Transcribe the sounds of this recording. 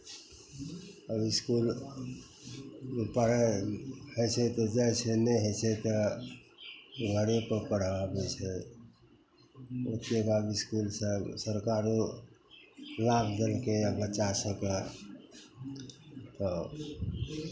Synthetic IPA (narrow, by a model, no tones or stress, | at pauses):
əbɪskul | mepəɽ̤ɛhət͡ʃʰɛt̪ɔd͡ʒɛɪsenɛɦət͡ʃʰɛt̪ə | ɡəɾepəpəɽ̤abɛt͡ʃʰɛ | ot̪ebabiskulsəbsəɾkaɾo | labʰd̪əlkebət͡ʃasəka | t̪ɔ